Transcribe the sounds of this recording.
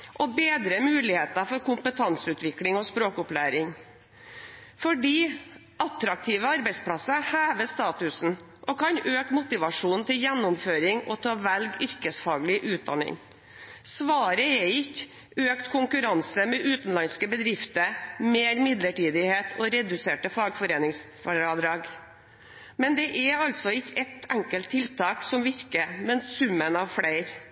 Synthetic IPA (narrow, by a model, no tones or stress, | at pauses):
ʔɔbeːd̪ɾəmʉːlɪheːt̪ɑfɔɾkʊmpət̪ʰɑnsʉːt̪ʋɪklɪŋɔspɾoːkʊplæːɾɪŋ | fɔɖiː | ʔɑt̪ɾɑk̚t̪ʰiːʋəɑɾbæɪspʰlɑsəhæːʋəst̪ɑːt̪ʉsn̩ | ʔɔkʰɑnøːkmʊt̪ɪʋɑʂuːnt̪ʰɪljɛnːʊmføːɾɪŋɔt̪ʰɑːʋælɡʏɾkəsfɑːɡlɪʔʉːt̪̚d̪ɑ̰nːɪ̰ŋ | sʋɑːɾəɛɪkː | øːkt̪kʰʊŋkʉɾɑnsəmɛʔʉːt̪n̩lɑnskəbəd̪ɾɪft̪əmeːɾmɪd̪ləʈiːd̪ɪheːt̪ʰɔɾɛd̪ʉseːʈəfɑːɡfɔɾeːnɪŋs | fɑd̪ɾɑːɡ | mɛnd̪ɛʔɛɑlsɔɪkːəɛt̪æŋkəlt̪ʰːɪlt̪ʰɑːksɔmʋɪɾkəmɛnssʉmːənɑʋfɽæɪɾ